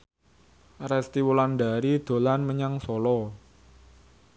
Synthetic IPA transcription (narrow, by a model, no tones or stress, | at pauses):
rɛst̪iwulanɖaɾid̪̥o̤lanməɲaŋsɔlɔ